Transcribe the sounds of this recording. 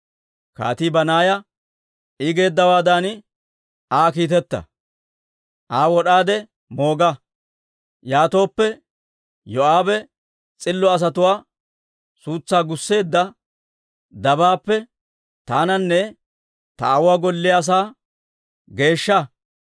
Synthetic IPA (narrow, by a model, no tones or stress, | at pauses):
ka̰ːt̪ibɐnaːjɐ | ɪɡe̞ːd̪ːɐwaːd̪an | aːkiːt̪ɛt̪ːɐ̰ | ʔaːwɔɗaːd̪ɛ | mo̞ːɡɐ | jaːt̪o̞ːpːɛ | jɔaːbɛ | t͡sʼɪlːɔɐs̬ɐt̪ʊwaː | suːt͡sːaːɡʊsːe̞ːd̪ːɐ | d̪ɐbaːpːɛ | t̪aːnɐnːɛ | t̪ɐɐwaːɡɔlːɪas̬aː | ɡe̞ːʃːɐ